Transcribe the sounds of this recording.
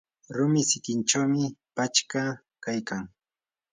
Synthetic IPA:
ɾʊmɪsɪkɪnt͡ʃawmɪpat͡ʃka | kajkaŋ

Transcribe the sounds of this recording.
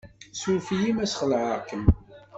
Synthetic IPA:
sufijimæsχəlʕəkən

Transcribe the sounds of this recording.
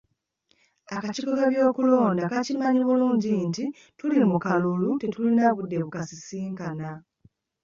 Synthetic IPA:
akacikokaβjo̞ːkulo̞ːndakacimaɲiβuluːɲɟinti | tulimukalulute̞tulinaβudːe̞βukasisiːŋkana

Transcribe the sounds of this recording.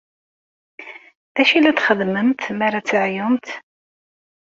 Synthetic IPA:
ðæʃilæt̪χəðmənt̪mæɾat͡sːʕjʊmt̪

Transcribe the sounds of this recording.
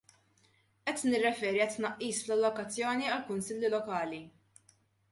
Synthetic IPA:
ʔɛt̪nɪrːɛfɛːɾiɐt̪ːnɐʔːiːsflɐlːɔkɐt͡sːjɔːniɐlkʊnsɪlːilɔkɐːli

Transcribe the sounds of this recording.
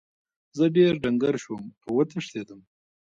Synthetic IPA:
zəɖeɾɖaŋɡaɾʃwəmawːət̪əʂt̪ed̪əm

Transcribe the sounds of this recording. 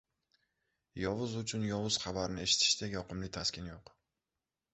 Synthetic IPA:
jɒvʊzʊt͡ʃʰʊnjɒvʊz̥χabaɾnɪe̞ʃɪ̥t̪ʰɪ̥ʃt̪ejɒqɨmlɪt̪ʰaskʲɪnjoq

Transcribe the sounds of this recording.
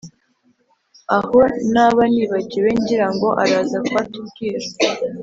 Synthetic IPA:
aho̞naβaniːβaciɾe̞ɲɟiɾaŋɡo̞ʔaɾaːzakwatuβɡiːɾa

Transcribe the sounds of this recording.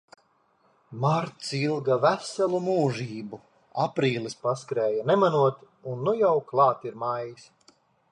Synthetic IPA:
maɾt̪silˠɡavæsɛlˠumuːʒiːbu | apɾiːlˠispaskɾɛːjanɛmanuɔt̪ | unːujawklˠɑːt̪iɾmajjis

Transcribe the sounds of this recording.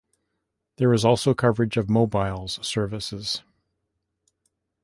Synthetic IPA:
ðə˞ɨzɔlˠsoʊkʰʌvə˞ɨd͡ʒʌvmoʊbaɪlˠz̥sɜ˞vɨsɪz̥

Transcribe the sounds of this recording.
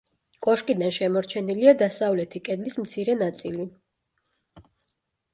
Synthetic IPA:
kʼɔʃkʼid̪anʃɛmɔɾt͡ʃʰɛniliad̪asavlɛt̪ʰikʼɛd̪lismt̪sʰiɾɛnat̪sʼili

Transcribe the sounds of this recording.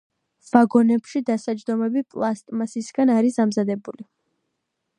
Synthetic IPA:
v̥aɡɔnɛpʃid̪asad͡ʒd̪ɔmɛbipʼlˠast̪ʼmasisɡanaɾisamzad̪ɛbuli

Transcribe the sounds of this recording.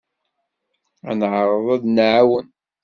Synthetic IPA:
ænʕəɾˤəðˤæðnʕawən

